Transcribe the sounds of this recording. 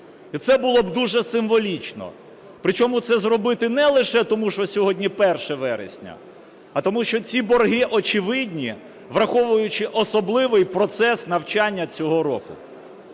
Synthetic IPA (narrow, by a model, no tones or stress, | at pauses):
it̪sɛbʊlˠɔbd̪uʒɛsɪmʋɔlʲit͡ʃnɔ̰ | pɾɪt͡ʃɔmʊt̪sɛzrɔbɪt̪ɪnɛlˠɪʃɛt̪ɔmuʃɔsʲɔɦɔdʲnʲipɛrʃɛʋɛɾḛsʲnʲɐ̰ | ɐt̪ɔmuʃt͡ʃɔt͡sʲibɔrɦɪʔɔt͡ʃɪʋɪd̪ʲnʲi | ʋɾɐxɔʋʊjʊt͡ʃɪʔɔsɔblˠɪʋɪjpɾɔt̪sɛsnɐwt͡ʃɑnʲːɐt͡sʲɔɦɔɾɔkʊ